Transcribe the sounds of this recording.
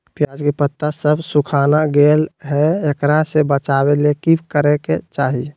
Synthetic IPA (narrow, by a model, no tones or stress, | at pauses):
pjaːd͡ʒkepət̪ːasəbʱsukʰaːnaɡelɦɛekɾasebət͡ʃabelekibkəɾeket͡ʃaːɦie